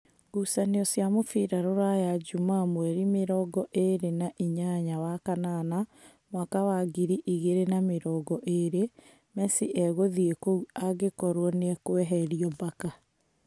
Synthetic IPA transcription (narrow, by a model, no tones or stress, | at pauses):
ɡusaneɔsjamofiɾaɾoɾajad͡ʒumamwɛɾimeɾɔɡɔʔeɾenaʔiɲaɲawakanana | mwakawaɡiɾiʔiɣeɾenameɾɔːɡɔʔeɾe | mɛsiʔɛɣoðiekouaɣekɔɾwɔneɛkwɛɦɛɾiɔbaka